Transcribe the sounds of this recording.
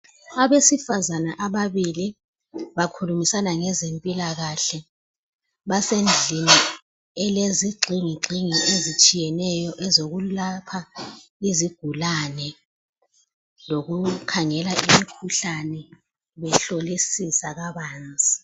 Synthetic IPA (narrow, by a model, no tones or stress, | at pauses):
aβesifazanaʔaβaβili | βakʰulumisanaŋɛzempʼilaɣaɬɛ | βasend͡ɮʱini | ɛleziɡ͡ǀʱiŋiǃʱiŋiʔezit͡ʃʼijɛnɛjɔʔɛzoɣulapʰaiziɡ̥ʱulanɛ | loɣukʰaŋɛlaʔimikʰuɬanɛ | βɛɬolisisaɣaβaːnt͡sʼi